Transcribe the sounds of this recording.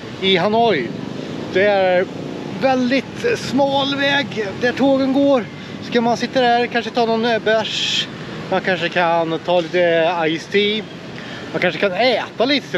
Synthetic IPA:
ɪɦanɔjd̪̥ɛæɾ | vɛld̪ɪt̪smɑːlvɛːɡd̪æʈʰoːɡənɡoːɾ | skamansɪt̪ːəd̪æɾkʰanʂət̪ʰɑːnɔnbœʂ | mankʰanʂəkʰant̪ʰɑːliːt̪əajst̪ʰi | mankʰanʂəkʰanɛːt̪aliːt̪ə̥

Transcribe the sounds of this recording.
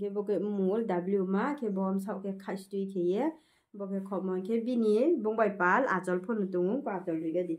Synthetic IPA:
kʰebɔkemuldablumakʰebɔɔmsawkʰekʰastukʰeje | bɔkekʰɔmɔnkʰebinibuŋbajpala̰zɔlpʰɔnutuŋuŋpazɔlːujɡadi

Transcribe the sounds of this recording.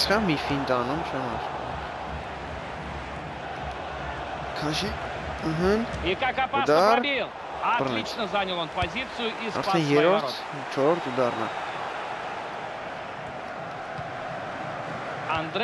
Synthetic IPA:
sχɑmifind̪ɑnumt͡ʃʰɛmɑɾ | kʰɑʃi | əɦəikakapəd̪ɑilˠ | ɐarnɛit͡ʃnəzanʲəlˠonpɐzʲit̪sɨjʊʔisɑ̰ɾt̪ɛnjɛɾɔɾt̪ʰ | t͡ʃʰɔɾɔɾt̪ʰəd̪ɑrnɑ̰ | ɐnd̪ɾ

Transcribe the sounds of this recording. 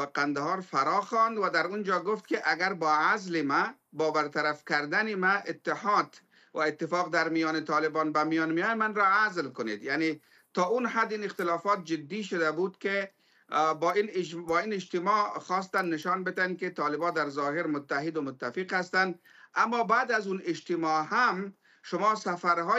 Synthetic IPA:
baqand̪aɦɑɾfaɾɑxɑnd̪wad̪aɾund͡ʒɔɡʊft̪kɪʔaɡaɾbɔazlɪma | bɒbaɾt̪aɾafkaɾd̪anɪmaʔɪt̪ːɪhɑd̪ | waɪt̪ːɪfɑːqd̪aɾmijɑnɪt̪ɑːlɪbɑnbamijɑnmijɑnmanɾɔazlkʊnḛd̪jane | t̪ɒːunɦad̪inɪxt̪ɪlɑfɔt̪̚d͡ʒɪd̪ːiʃʊd̪abud̪ke | binbɒinɪd͡ʒt̪ɪmɔxɔs̬t̪anːɪʃɑnbɪt̪an̚ket̪ɑlɪbɔd̪aɾzɔɦɪɾmʊt̪ːaɦɪd̪ʊmʊt̪ːafiqhast̪and̪ | amːɔbaːd̪azunɪd͡ʒt̪ɪmɔɦam | ʃʊmɔsafaɾɦɔ

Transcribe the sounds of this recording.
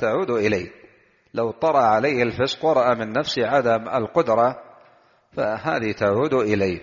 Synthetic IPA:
t̪aʕuːd̪ʔɪlaj | lawt̪ˤɑɾˤɑʔʕalajhalfɪsqwɑɾˤɑʔamɪnːafsʕad̪ama̰lqʊd̪ɾˤɑ | faha̰ːðit̪aʕuːd̪ʔɪlaj

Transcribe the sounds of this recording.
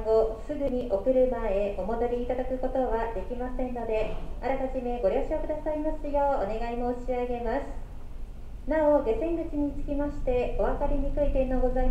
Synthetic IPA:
ɡosɨɡɯ̟ɲ̟iʔokɯ̟ɾɯ̟mae̞ʔo̞mo̞d̪o̞ɾʲiːt̪ad̪akɯ̟ko̞t̪o̞βad̪e̞kʲimasẽ̞nːo̞d̪e̞aɾat̪aʑime̞ɡo̞ɾʲo̞ːɕiokɯ̟d̪asaimasɨjo̞ːone̞ɡaimo̞ːɕiaɡe̞masɨ̥ | nao̞ɡe̞sẽ̞ŋɡɯ̟t͡ɕiɲ̟it͡sɨ̥kʲimaɕi̥t̪e̞o̞β̞akaɾʲiɲikɯ̟it̪enːo̞ɡo̞za

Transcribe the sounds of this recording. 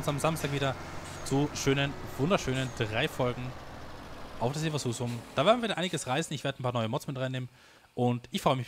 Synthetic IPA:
ʊnsamzamstaːkviːdɐ | t͡suʃøːnənv̥ʊndɐʃøːnəndʁaɪfɔlɡŋ̩ | ʔaʊfd̥aːseːvasuːsʊmd̥aːveːɐdn̩vivːdɐʔaɪnɪɡəsʁaɪsn̩ɪçveːɐdən̩pʰaɐnɔʏəmɔt͡smɪtʁaɪneːmən | ʔʊntʔɪçfʁ̥ɔʏəmɪç

